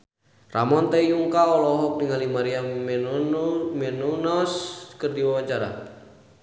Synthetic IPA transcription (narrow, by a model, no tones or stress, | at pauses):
ra̰mɔnt̪aijuŋkaɔlɔɦɔk̚diŋalimaɾia | mɛnunɔskərdiwawad͡ʒaɾa̰